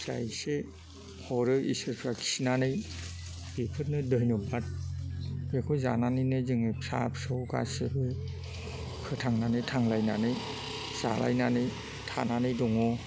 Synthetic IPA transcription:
sa̰jse | hɔɾɯʔḭsɯɾpʰɾaki̥sinanɯj | bipʰɯt̚nɯdɯjnɯbat̚ | bekʰɔza̰nanɯjnɯzɯŋɯpʰsa̰pʰsɯka̰sɯbɯ | kʰɯtʰaŋnanɯjtʰaŋlajnanɯj | z̥a̰la̰jnanɯj | tʰananɯjdɔŋɔ

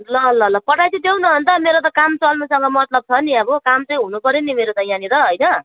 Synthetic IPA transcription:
lʌɦʌlːaɦʌlːapʌʈʰajt͡sʌ̃t̪ewnʌɦʌnt̪ʌmeɾot̪̬ʌkamt͡sʌlnusʌŋɡʌmʌt̪lʌb̚t͡sʰʌniʌbʌkamt͡sʌj̃ɦunupʌɾjonimeɾot̪ʌjanit̪ʌɦʌjnʌ

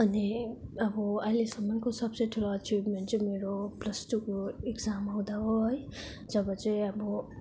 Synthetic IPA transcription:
ʌniʌbʌʌjlesʌmʌnkosʌbsʌjʈʰuloʌt͡sibmeɳʈt͡sʌ̃meɾoprʌsʈukoekd͡zamɦʌw̃d̪aɦoɦʌj | d͡zʌbʌt͡sʌĩʌbʌ

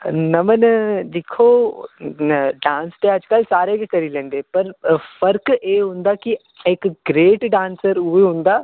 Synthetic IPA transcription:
nəmənd̪ɪkʰoː | ɖãːnsʈ̪eɐd͡ʒkəlsaːɾekikɐɾiːlẽːnd̪eːpəɾfəɾkeːɦʊ̃nd̪aːki | ekɡɾeːʈɖãːnsəɾʊeɦʊ̃ːnd̪aː

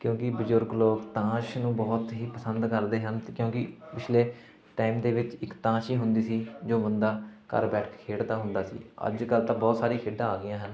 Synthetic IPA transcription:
kjõːkɪbʊzʊɾɡloːkt̪ãːʃnũːbɔːt̪ɦiːpəsənd̪kəɾd̪eːɦənkjõːkɪpɪt͡ʃʰleː | ʈaːimd̪eːʋɪt͡ʃɪkt̪ãːʃiːɦʊnd̪iːsiːd͡ʒoːbənd̪aːkə̰ɾbɛːʈʰkʰeːɽd̪aːɦʊnd̪aːsḭːə̰d͡ʒkəlt̪ãːbɔːt̪saːɾiːkʰeːɖãːaːɡɪjãːɦən

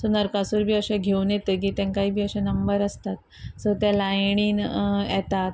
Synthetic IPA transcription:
sənəɾkasuːɾbʱiːəɕɛ̃ɡʱeunjet̪ək̬iːt̪ɛ̃ŋkaiːbʱiːəɕɛnəmbəɾəst̪at̪̚ | səɾt̪jalajɳ̃iːnjɛt̪at̪

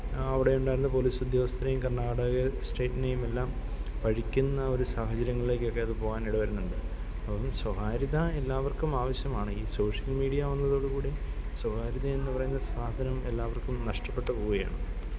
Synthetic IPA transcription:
ɐʋiɽe̞uɳɖaːjɾunːɐp̬o̞liːsud̪jɐʋɐst̪ɐnejumkɐrɳaːɽɐɣɐsʈe̞ːʈːinejume̞lːaːm | pɐɻikʲːunːɐo̞ɾusaːhɐt͡ɕɐɾjɐŋːɐɭile̞ːk̬ʲːo̞kːe̞ɐðɨpo̞ːɣaːniɽuʋɐɾunːuɳɖɨ | ɐɐmswɐhaːɾiðɐe̞lːaːʋɐrkumaːʋɐɕjɐmaːɳɨiːso̞ːʂɐlmiːɽijɐʋɐnːɐðo̞ːɽɨkuːɽiswɐhaːɾiðɐe̞nːɨpɐrɐjunːsaːd̪ʱɐnɐme̞lːaːʋɐrkumnɐʂʈɐpːe̞ʈːɐkuːɣɐja̰ːɳɨ

